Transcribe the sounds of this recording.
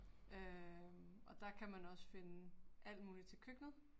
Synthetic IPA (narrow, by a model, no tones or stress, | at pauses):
ʔø | ɒ̽d̥ɑ̈kʰæmænɒ̽sə̥fe̝nəʔæl̰d̥muːlit͡sʰe̝lkʰøɡ̥nəð̩ˠ